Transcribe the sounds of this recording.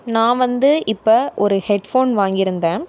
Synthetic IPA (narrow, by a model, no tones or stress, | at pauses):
nãːʋɐnd̪ɯʔɪpːɐʔɔɾɯhɛɖfoːnʋaːŋɡɪɾɯnd̪ẽː